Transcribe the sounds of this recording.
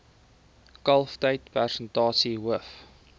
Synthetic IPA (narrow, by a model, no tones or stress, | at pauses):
kɐlˠftəjtpærsəntɑːsiɦuəf